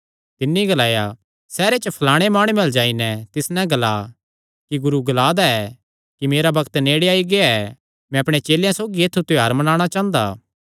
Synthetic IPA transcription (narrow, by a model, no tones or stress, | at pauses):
t̪ɪnːiɡɐlaːja | sɛːɾet͡ʃəpʰɐlaːɽ̃emaːɽ̃umɛld͡ʒaːinɛt̪ɪsnɛɡɐla | kiɡʊɾuɡɐlaːd̪aɛ | kimeːɾabɐkt̪neːɽeaːiɡeaɛ | mɛ̃ɐpɽ̃et͡ʃeːljãsoːɡieːt̪ʰːut̪ʊaːɾmɐnaːɽ̃at͡ʃãːnd̪a̰ː